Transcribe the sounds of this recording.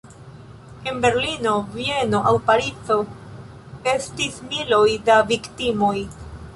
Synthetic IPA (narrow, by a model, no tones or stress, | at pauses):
e̞nbe̞ɾlino̞vie̞no̞ʔawpaɾit͡so̞ | e̞stismilojdaviktimo̞j